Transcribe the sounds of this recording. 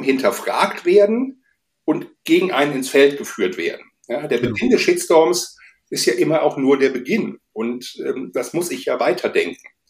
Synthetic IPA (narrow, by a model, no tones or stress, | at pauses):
hɪntʰɐfʁ̥a̰ːktv̥eːɐdn̩ | ʔʊntɡ̥eːɡŋ̩ʔaɪnənɪnsfɛltɡ̥əfyːɐtv̥ḛːɐdn̩ | jaːdeːɐbəɡɪndɛsʃɪsd̥ɔɐms | ʔɪstjaːʔɪmɐaʊxnuːɐdeːɐbəɡɪnʔʊntʔɛːmd̥asmʊsɪçjaːvaɪtʰɐdɛŋkŋ̩